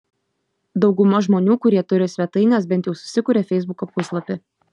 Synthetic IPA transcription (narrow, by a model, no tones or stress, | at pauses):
d̪ɒʊɡʊmɐʒmoːnʲuːkʊɾʲiɛt̪ʊɾʲɪsʲʋʲɛt̪ɐɪnʲeːsbʲɛnt̪jɛʊsʊ̥sʲɪkʊɾʲɛfʲɛɪzbʊkoːpʊslˠɐpʲɪ